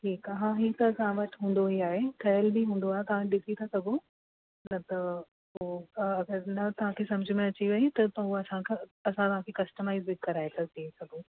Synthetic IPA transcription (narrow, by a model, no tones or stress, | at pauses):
ʈʰiːkaɦãɦit̪ɐːsãʋɐʈɦũːn̆d̪oɦiaːɦekʰɐjəlbiɦũːn̆d̪oaːɦet̪ɐʋ̤ãɗɪsit̪ʰɐsɐɡo | nɐt̪ɐ | ɦoɐɡəɾnɐt̪ɐʋ̤ãkʰesɐ̃md͡ʑʱɪmẽɐt͡ɕiʋɐit̪ɐt̪ɐuɐsãkʰɐsãt̪ɐʋ̤ãkʰekɐsʈəmaːɪzbɪkkɐɾaːɦet̪ʰɐt̪ʰiesɐɡo